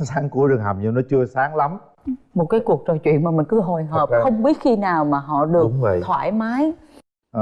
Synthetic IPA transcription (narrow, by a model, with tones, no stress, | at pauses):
saː˨˦ŋku˧˩əɗɨ˨˩ŋɦa˨˩mɲɨ˧nɔ˨˦t͡ɕɨ˧əsaː˨˦ŋla˨˦m | mo˨˩t̚kaː˨˦jku˨˩ək̚t͡ɕɔ˨˩jt͡ɕwḭ˧˨ənmaː˨˩mï˨˩ŋ̟kɨ˧ɦo˨˩jɦəː˨˩pxə˧wŋ͡mɓi˦˥ət̚xi˧naː˨˩wmaː˨˩ɦɔ̰˧˨ɗɨ˨˩əʊkŋ͡mvə̰˧˨jt̪ʰwa̰ː˧˩jmaː˨˦j